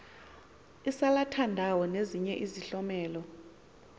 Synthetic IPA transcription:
isalatʰandʱawɔneziɲɛʔiziɬɔmɛːlɔ

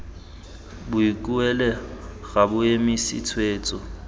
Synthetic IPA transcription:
bʊikʼuɛlɛ | ɣabʊemisɪ̰t͡sʰweːt͡sʼɔ

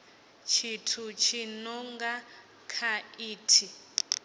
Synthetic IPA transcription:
t͡ʃʰitʰut͡ʃʰinɔŋɡa | kʰaiːtʰi

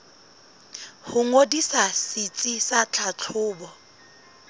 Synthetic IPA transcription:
hʊŋodisasit͡sʼisat͡ɬʰat͡ɬʰʊːbɔ

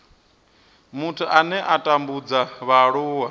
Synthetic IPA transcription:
mutʰuʔanɛʔatʼambud͡zaβaɺuːwa

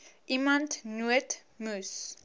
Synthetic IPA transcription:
ʔimãntnuət | mus

